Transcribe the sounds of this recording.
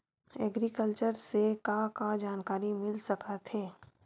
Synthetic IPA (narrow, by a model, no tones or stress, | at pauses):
ɛɡɾikəlt͡ʃəɾsekãkad͡ʒaːnkaːɾimɪlsɐkat̪ʰeː